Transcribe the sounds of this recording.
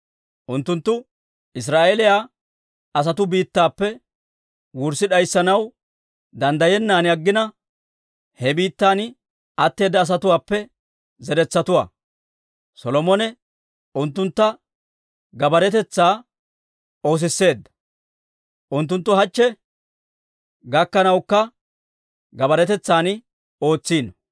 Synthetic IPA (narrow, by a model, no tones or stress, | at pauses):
ʔʊnt̪ːʊnt̪ːʊ | ʔɪs̬ɾaːʔelɪjaː | ɐs̬ɐt̪ʊbiːt̪ːaːpːɛ | wʊɾsɪɗɐjsːɐnɐw | d̪ɐnd̪ɐjɛnːaːnɪɐɡːɪnɐ | hɛbiːt̪ːaːn | ɐt̪ːe̞ːd̪ːɐːs̬ɐt̪ʊwaːpːɛ | zɛɾɛt͡sːɐt̪ʊwa̰ː | sɔlɔmɔnɛ | ʊnt̪ːʊnt̪ːɐ | ɡɐbɐɾɛt̪ɛt͡sːaː | o̞ːs̬ɪsːe̞ːd̪ːɐ̥ | ʔʊnt̪ːʊnt̪ːʊɦɐt͡ʃːɛ | ɡɐkːɐnɐwkːɐ | ɡɐbɐɾɛt̪ɛt͡sːaːn | o̞ːt͡sːiːn